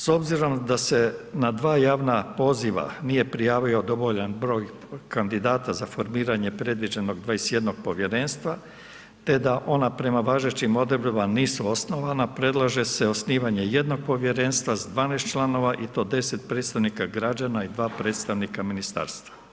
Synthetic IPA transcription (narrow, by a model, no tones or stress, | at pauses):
so̞bziɾo̞md̪ase̞nad̪ʋaːjaːʋnapo̞ziʋa̰nije̞pɾijaːʋio̞d̪o̞ʋo̞ʎanbɾo̞ːj | kand̪id̪aːt̪azafo̞ɾmiːɾaɲe̞pɾe̞d̪ʋid͡ʑe̞no̞ɡd̪ʋaesje̞d̪no̞ɡ̚po̞ʋje̞ɾe̞nst̪ʋa | t̪e̞d̪aʔo̞napɾe̞maʋaːʒet͡ɕimo̞d̪ɾbimaniːsuo̞sno̞ʋanapɾe̞d̪lˠaʒe̞seo̞sniːʋaɲe̞je̞d̪no̞ɡ̚po̞ʋje̞ɾe̞ːnst̪ʋazd̪ʋaːneːst̪t͡ʃlˠano̞ʋaʔit̪o̞ːd̪e̞se̞t̪̚pɾeːt̪st̪aʋnikaɡɾad͡ʑanaid̪ʋaːpɾe̞ːt̪st̪aʋnikaminist̪a̰ːɾst̪ʋa